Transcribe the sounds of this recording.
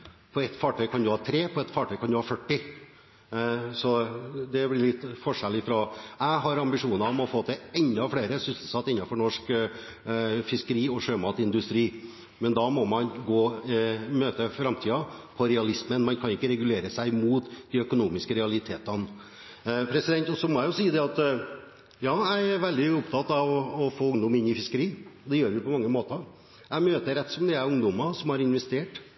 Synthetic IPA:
pʰɔɛt̪ːfɑːʈʰœʏkʰɑnd̪ʉhɑːt̪ʰɾeːpʰɔɛt̪fɑːʈʰœʏkʰɑnd̪ʉhɑːfœʈːɪ | sɔd̪ɛblɪɭɪt̪ːfɔʂɛlɪfɾɔæɦɑɾɑmbɪʂuːnɑmɔfoːt̪ʰɛɛnd̪ɑfɽeːɾəsʏsl̩sɑt̪ːɪnːɑfɔɳɔʂk | fɪskəɾiːɔʂøːmɑːt̪ɪnd̪ʉst̪ɾiː | mɛnd̪ɑmɔmɑnɡoːmøːt̪əfɾɑmt̪ʰiːɑpʰɔɾɛɑlɪsmənmɑnkʰɑnɪkːəɾɛɡʉleːɾəsæɪmuːt̪d̪ɪœkʊnuːmɪskəɾɛɑlɪt̪ʰeːt̪ɑn | pʰɾɛsɪd̪ɛnt̪ɔsɔmɔjæɪjʊsiːəd̪ɛɑt̪ | jɑːæɪæɾʋɛld̪ɪʊpt̪ʰɑt̪ːɑʋɔfoːʊŋd̪ɔmɪnːɪfɪskəɾiːd̪ɛjøːɾʋɪpʰɔmɑŋːəmoːt̪əɾ | æɪmøːt̪əɾɛt̪ːsɔmd̪ɛæɾʊŋd̪ɔmɑsɔmhɑɾɪnʋɛst̪eːʈ

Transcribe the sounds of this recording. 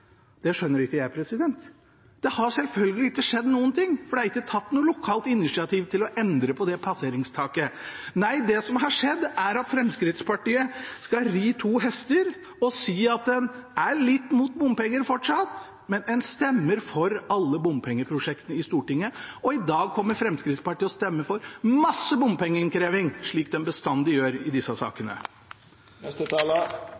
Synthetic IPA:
d̪̥ɛʂœnːəɾɪkːəjæɪpʰɾɛsɪd̪ɛnt̪ | d̪ɛhɑʂɛlfœlɡəlɪɪkːəʂɛd̪ːnuːənt̪ɪŋːfɔɖɛhɑɾɪkːət̪ʰɑt̪ːnuːlʊkʰɑːlt̪ɪnɪʂɪɑt̪ʰiːʋt̪ʰɪlɔʔɛnd̪ɾəpʰɔd̪ɛpʰɑseːɾɪŋst̪ʰɑːkənæɪd̪ɛsɔmɦɑʂɛd̪ːæɾɑt̪fɾɛmskɾɪt̪spʰɑʈiːəskɑɾiːt̪ʰuːɦɛst̪əɾ | ɔsiːɑt̪̚d̪ɛnæɭɪt̪ːmuːt̪̚bʊmpɛŋːəɾfɔʈʂɑt̪ | mɛnɛnst̪ɛmːəɾfɔɾɑlːəbʊmpʰɛŋːəpʰɾʊʂɛkt̪ənəɪst̪uːʈɪŋːəɔɪd̪ɑːɡ̚kʰɔmːəɾfɾɛmskɾɪt̪spɑʈiːɔst̪ɛmːəfɔɾmɑsːəbʊmpɛŋːəɪnkɾeːʋɪŋʂɭiːkd̪ɛnbəst̪ɑnd̪ɪjøːɾɪd̪ɪsːəsɑ̰ːkənə̰ | ɛələ

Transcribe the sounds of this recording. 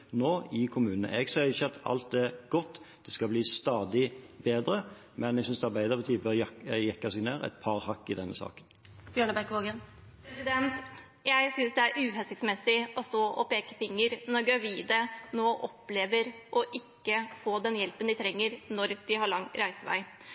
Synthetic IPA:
noːɪkʰʊmʉːnnə̰ɛɡsɛɪçːəɑt̪ɑ̰lt̪ɛɡɔt̪ːd̪̥ɛskɑbliːst̪ɑːd̪ɪbeːd̪ɾə | mɛnɛɡsʏnsd̪ɛæɑɾbæɪd̪əpʰɔt̪ʰyːpəɑjɛkːɑsɪneːɾæ̰ɪt̪̚pʰɑɾhɑkːɪd̪ɛnːəsɑ̰ːkən | b̥jœɳəbæɾkʋoːɡən | pʰɾɛsɪd̪ɛnt̪ | jæɪsʏnsd̪ɛæɾʔʉːɦɛlsɪksmɛsːɪʔɔst̪oːʔɔpeːkəfɪŋːəɾnɔɾɡɾɑʋiːd̪ənoːʔɔpːleːʋəɾ | ʔɔʔɪkːəfoːd̪ɛnjɛlpənd̪ɪt̪ʰɾɛŋːəɾnɔɾd̪̥ɪhɑɭɑŋːɾæɪsəʋæ̰ɪ

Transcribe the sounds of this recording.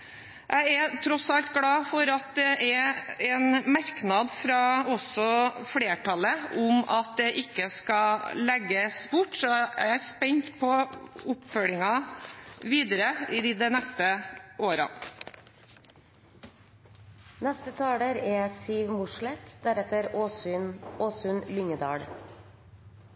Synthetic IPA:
jʔæɪɛt̪ʰɾɔsɑlt̪ɡɽɑːfɔɾɑt̪̚d̪ɛʔɛɛnmɑɾknɑd̪fɾɑɔsɔfɽeːʈʰɑləʊmɑt̪̚d̪ɛʔɪkːəskɑlɛɡːəsbʊʈːsɔæ̰æspɛɲt̪pʰɔʊpfœlɪŋɑ | ʋiːd̪əɾəɪd̪ɪd̪ɛnɛst̪əʔoːɾɑ̰ | nɛst̪ət̪ʰɑːɽəɾɛsiːʋmʊʂlɛt̪d̪æɾɛt̪əɾnoːsʉnlʏŋəd̪ɑ̰ːɽ

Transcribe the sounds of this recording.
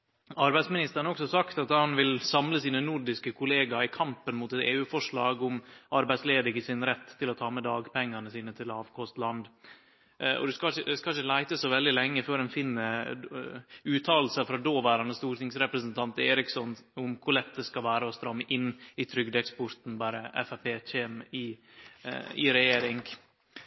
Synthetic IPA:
ɑɾbæɪsmɪnɪst̪əɾnɔksɔsɑkt̪ɑt̪hɑnʋɪlsɑmləsiːnənʊɾɖɪskəkʰʊleːɡɑɪkʰɑmpənmuːt̪ɛt̪eːʉːfɔʂɭɑːɡʊmʔɑɾbæɪsleːd̪ɪɡəsɪnɾɛt̪ʰːɪlɔt̪ʰɑːmɛd̪ɑːɡpʰɛŋːɑnəsiːnət̪ʰɪlɑːʋkʰɔst̪lɑnd̪ | ɔ̰d̪ʉskɑəd̪ɛskɑlçəlæɪt̪əsɔʋɛld̪ɪlɛŋːəføːɾhɛnfɪnːə | ʉːt̪ʰɑːll̩sɑfɾɑd̪oːʋæːɾɑnəst̪uːɾt̪ɪŋsɾɛpɾəsənt̪ʰɑnt̪eːɾɪksɔnʊmkʰʊlɛt̪ːd̪əskɑʋæːɾəɔst̪ɾɑmːəʔɪnːɪt̪ʰɾʏɡd̪ɛkspɔɾt̪n̩bæːɾəɛ̰fæpeːçeːmɪ | ɪ̰ɾɛjeːɾɪŋ

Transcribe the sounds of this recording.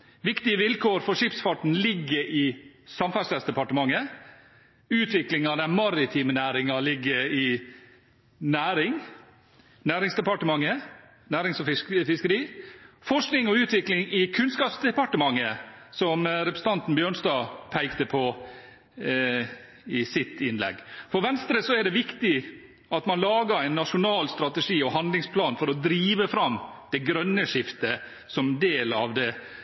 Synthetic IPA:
ʋɪkt̪ɪəʋɪlkʰoːɾfɔʂɪpsfɑʈn̩lɪɡːəɾʔɪsɑmfæsæsd̪ɛpɑʈəmɑŋːə | ʉːt̪ʰʋɪklɪŋɑd̪æmɑɾɪt̪ʰiːmənæːɾɪŋɑlɪɡːəɾɪ | næːɾɪŋ | næːɾɪŋsd̪ɛpɑʈəmɑŋːə | næːɾɪŋsɔfɪfɪskəɾiːfɔʂknɪŋɔʉːt̪ʋɪklɪŋɪkʰʉnskɑːpsd̪ɛpɑʈəmɑŋːəsɔmɾɛpɾəsət̪ɑnt̪n̩bjøːɳsd̪ɑːpʰæɪkt̪əpʰɔ | ɪsɪt̪ʰɪnlɛ̰ɡfɔɾʋɛnst̪ɾəsɔæɖɛʋɪkt̪ɪ | ɑt̪mɑnlɑːɡəɾæɪnːɑʂʊnɑːlst̪ɾɑt̪ɛʂiːɔɦɑnd̪lɪŋspʰlɑːnfɔɾɔd̪ɾiːʋəfɾɑmd̪̥ɛɡɾœnːəʂɪft̪ə | sɔmd̪eːlɑ̰ʋd̪ɛ

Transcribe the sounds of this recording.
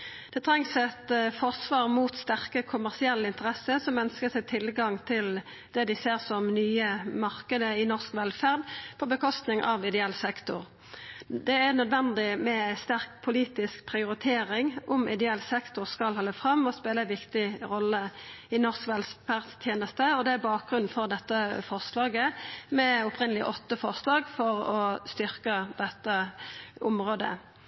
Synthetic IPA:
d̪̥ɛt̪ʰɾɛŋsɛt̪fɔʁsʋɑːʁmuːt̪st̪æʁkəkʰʊmæʁsɪɛlːəɪnt̪əʁɛsəsɔmœnskəsɛɪt̪ʰɪlɡɑŋt̪ʰɪl | d̪̥ɛd̪ɪseːʁsɔmnyːəmɑʁkəd̪əɪnɔʁskʋɛlfæʁd̪pʰɔbəkʰɔst̪nɪŋʔɑ̰ʋɪd̪ɛɛlsɛkt̪ʊʁ | d̪ɛæʁnœd̪ʋɛnd̪ɪmɛst̪æʁk̚pʰʊliːt̪ɪskpʰʁɪʊɾɪt̪ʰeːɾɪŋʊmɪ̰d̪ɛɛlsɛkt̪ʊʁskɑlhɑlːəfʁɑmːɔspeːləʋɪkt̪ɪʁɔlːəɪnɔʁskʋɛlfæʁst̪ʰjeːnəst̪əɔd̪ɛæbɑːk̚ɡʁʉnn̩fɔʁd̪ɛt̪ːəfɔʁslɑːɡəmɛʊpʰʁɪnːəlɪʔɔt̪ːəfɔʁslɑːɡfɔʁɔst̪ʏʁkəd̪ɛt̪ːəʔʊmɾoːd̪ə̰

